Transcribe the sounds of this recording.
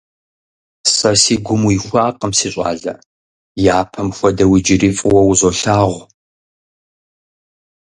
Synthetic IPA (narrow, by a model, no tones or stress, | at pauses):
sʼɐsiːɡʷʊmuixʷɑːqəmsiːɕʼɑ̰ːɮɐ̰ | jaːpʰɐmxʷɔdɐwid͡ʒɪrifʼwɐwzoɬaːʁʷ